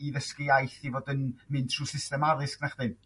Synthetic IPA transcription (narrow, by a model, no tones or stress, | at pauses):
iðəskɪajθivoːdənmɪnd̥tʰruːsɪstɛmaɾɨsknaχd̥ɨn